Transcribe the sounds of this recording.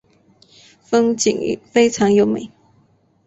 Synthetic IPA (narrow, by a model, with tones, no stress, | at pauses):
fə˥ŋt͡ɕḭ˨˩ŋ̰˨fe˥ɪʈ͡ʂʰɑ˧˥ŋjo˨˩ʊmḛ˨˩˦